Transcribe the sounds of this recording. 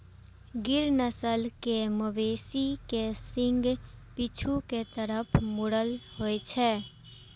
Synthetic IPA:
ɡɪɾnəsəlkeməʋeːsikesɪ̃ŋɡpɪt͡ʃʰuket̪əɾəpʰmoɽəlhoet͡ʃʰɛː

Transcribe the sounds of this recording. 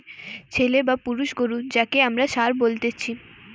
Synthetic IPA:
t͡ɕʰelebapuɾuʃɡoɾud͡ʑakeamɾaʃaɾbolt̪et͡ɕʰi

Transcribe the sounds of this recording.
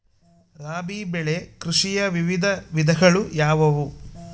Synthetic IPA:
ɾaːbiːbɛɭe̞kɾuʂijɐʋiʋid̪ʱɐʋid̪ʱɐɡɐɭujaːʋɐʋu

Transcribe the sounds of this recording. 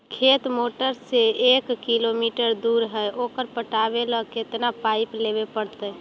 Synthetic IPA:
kʰet̪moʈəɾseekːilomiʈəɾd̪uɾɦəjʔokəɾpəʈabeləket̪napaɪpleβepəɽt̪ə

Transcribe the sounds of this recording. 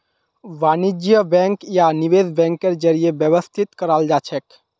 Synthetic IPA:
ʋaːnid͡ʒjəbɛ̃ŋkjaniʋeːd̪bɛ̃ːŋkːeɾd͡ʒəɾijebjəʋəst̪ʰit̪kəɾaːld͡ʒaːt͡ʃʰɛk

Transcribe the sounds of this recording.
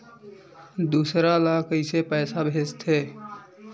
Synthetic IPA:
d̪usɾalakəɪsepəɪsabʱest̪ʰe

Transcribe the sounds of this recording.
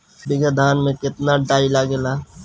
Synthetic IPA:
bɪɡəd̪ʱaːnmẽkɪt̪naɖaːilaɡelaː

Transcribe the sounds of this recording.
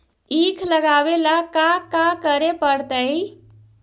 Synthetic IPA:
iːkʰləɡabelakakakəɾepəɽt̪əj

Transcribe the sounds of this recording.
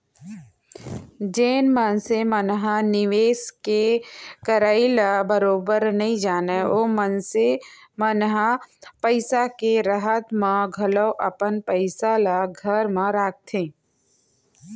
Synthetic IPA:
d͡ʒeːnmənsemənɦanɪʋeːskekəɾaːilabəɾoːbəɾnɐɦĩd͡ʒaːneomənsemənɦapəɪsakeɾəɦət̪mãɡʱɐləwʔə̰pənpəɪsalaɡʱəɾmãɾaːk̚t̪ʰẽː

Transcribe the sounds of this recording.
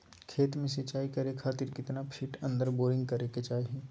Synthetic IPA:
kʰeːt̪mẽsɪt͡ʃaːikɐɾekʰaːt̪ɪɾkɪt̪napʰɪːʈə̃nd̪əɾboːɾɪ̃ŋɡ̚kɐɾeket͡ʃaːiɦẽː

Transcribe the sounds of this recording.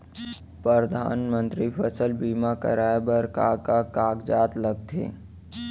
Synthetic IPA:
pɾəɾd̪ʱa̰ːnmə̃nt̪ɾipʰəsəlbiːmakə̰ɾaːebəɾkaːkakaːɡd͡ʒaːt̪ləɡ̚t̪ʰḛ̃ː

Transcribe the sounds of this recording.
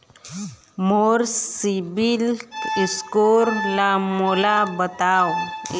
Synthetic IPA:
moɾsibiliskoɾlamolabət̪aːo

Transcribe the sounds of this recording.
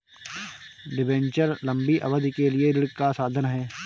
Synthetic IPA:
ɖɪbɛ̃ːɲt͡ʃəɾlɐ̃mbiʔɐ̰ʋəd̪kelieɾɪɽkkasaːd̪ʱənɦɛː

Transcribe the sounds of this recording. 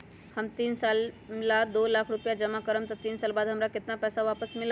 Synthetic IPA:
həmt̪iːnsal | lad̪olakʰɾupjad͡ʒəmakəɾəmt̪əɾt̪iːnsalbad̪ɦəmɾakɪt̪napɛsaʋapəsmila

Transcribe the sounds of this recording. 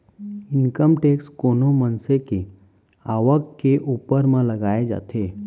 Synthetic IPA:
ɪnkəmʈekskonomənseke | aʋəkːeʔuːpəɾmãləɡaːed͡ʒa̰t̪ʰe

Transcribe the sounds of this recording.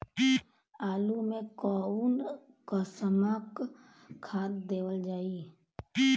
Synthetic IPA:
i | aːlumẽkɔun | kəsəmak | kʰːaːd̪d̪eːwəld͡ʒaːi | i

